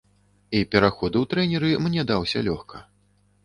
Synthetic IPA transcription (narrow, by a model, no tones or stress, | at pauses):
ipʲɛɾaxɔd̪ɨwt̪ɾɛnʲɛɾɨmnʲɛd̪awsʲɐ̰lʲɔxkʰɐ